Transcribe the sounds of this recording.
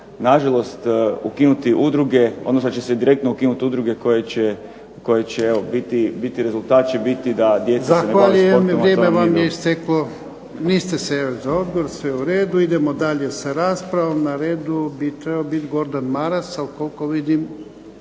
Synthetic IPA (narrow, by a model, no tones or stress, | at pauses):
naʒalˠo̞st̪ukinut̪iʔud̪ɾuɡe̞od̪nosot͡ʃesed̪iɾe̞k̚t̪noukinut̪iud̪ɾuɡekojet͡ɕe | ko̞jet͡ɕeeobit̪ibit̪iɾe̞zulˠt̪aːt̪̚t͡ʃebit̪id̪ad̪je̞t̪zzasanxneʋaʎujemimɾjeːmeʋamjeist̪eklo | niːst̪e̞sejoʃzao̞d̪ɡo̞ɾsʋeuɾe̞ːd̪uid̪e̞mod̪aʎe̞saɾaːspɾaʋomnaɾeːd̪ubit̪ɾebaobit̪ɡo̞ɾd̪anmaɾasalko̞lko̞ʋid̪im